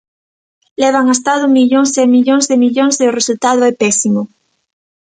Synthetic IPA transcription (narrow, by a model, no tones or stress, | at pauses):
leβ̞aŋast̪aðomiʎõŋszemiʎõŋzðemiʎõŋzðeoresult̪að̞oɛpesimo